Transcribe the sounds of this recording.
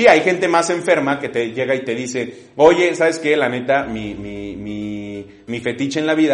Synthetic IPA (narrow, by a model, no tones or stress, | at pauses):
siajxe̞nt̪e̞mase̞ɱfe̞ɾmake̞t̪e̞ʝe̞ɣait̪e̞ðise̞ | o̞ʝe̞saβe̞ske̞lane̞t̪amimimi | mife̞t̪it͡ʃaenlaβiða